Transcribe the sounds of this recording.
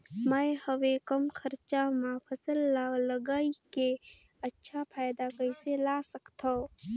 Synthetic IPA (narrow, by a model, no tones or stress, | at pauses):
məjhəwekəmkʰəɾt͡ʃamãpʰəsəlːaləɡaːike | ətːʃʰapʰaːjd̪akəɪselasəkt̪ʰa